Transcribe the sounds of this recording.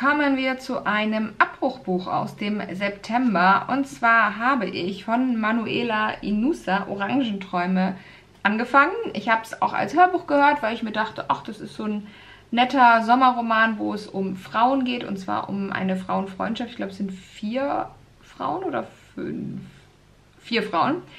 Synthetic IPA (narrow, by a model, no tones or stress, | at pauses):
kʰɔːmənviːɐt͡suʔaɪnəmʔap̚ʁ̥ʊxb̥uːxa̰ʊsd̥eːmzɛptʰɛmbɐʔʊ̰ntt͡sv̥aːɐɦaːbəʔɪçfɔnmanuʔeːlaʔinusaʔo̰ʁaŋʒn̩tʁ̥ɔʏmə | ʔanɡəfaŋənɪçhaːbəsa̰ʊxa̰lshøːɐbuːxɡ̥əhøːɐtv̥aɪlɪçmiːɐdaχtəʔaχd̥asɪstz̥oːnː | ɛtɐzɔmɐʁomaːnvo̰ːɛsʊmfʁ̥aʊənɡeːtʊ̰ntt͡sv̥a̰ːɐʔʊ̰mʔa̰ɪnəfʁ̥aʊənfʁ̥ɔ̰ʏntʃaftɪçɡ̥laːbəɛsz̥ɪntfiːɐ | fʁ̥a̰ʊənʔoːdɐfʏ̰nfː | iːɐfʁ̥aʊən